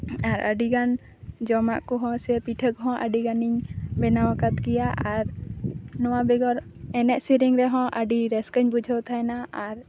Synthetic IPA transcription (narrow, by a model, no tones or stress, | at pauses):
aɾəɖiɡan | d͡ʒɔma̰ʔkɔɦɔ̃sɛpiʈʰəkɦɔ̃ʔəɖiɡaniɲbɛnawakat̪kijaʔaɾnɔwabɛɡɔɾ | ɛnɛʔsiɾiŋɾɛɦɔ̃ʔəɖiɾɛskəɲbud͡ʒʱəwt̪ʰajnaʔaɾ